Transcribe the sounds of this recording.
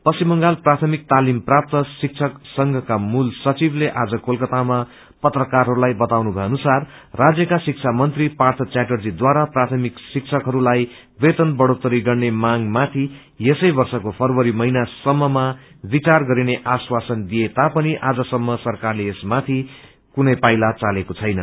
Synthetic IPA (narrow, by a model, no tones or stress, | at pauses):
pʌsimʌŋɡalprat̪ʰʌmik̚t̪alimprap̚t̪ʌsik̚t͡sʰʌksʌŋɡʱʌkamulsʌt͡sibleʔad͡zʌkolkʌt̪ama | pʌt̪rʌkarɦʌɾulajbʌt̪awnubʱʌjʌnusarː | ad͡zjʌkasik̚t͡sʰamʌnt̪ripart̪ʰʌt͡saʈʌrd͡zid̪waɾaprat̪ʰʌmiksik̚t͡sʰʌkɦʌɾulaj | bet̪ʌnbʌɽot̪ʌɾiɡʌrnemaŋmat̪ʰi | jesʌjbʌrsʌkopʰʌrwʌɾimʌinasʌmːʌma | bit͡sarɡʌɾineʔaswasʌnd̪ijet̪apʌniʔad͡zʌsʌmːʌsʌrkarleesmat̪ʰi | kunʌjpajlat͡salekot͡sʰʌjnʌ